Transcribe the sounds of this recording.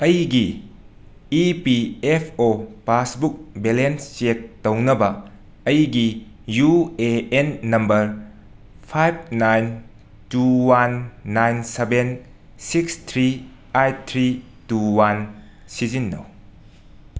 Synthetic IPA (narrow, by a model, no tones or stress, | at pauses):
ɐjɡi | ipiepʰopasbuk̚belenst͡ʃek̚townɐbɐː | jɡi | jueenːɐmbɐɾ | pʰajb̚najn | tuwanːajnseben | sikstʰɾi | ajtt̪ʰɾi | tuwan | sizinːɐ̰w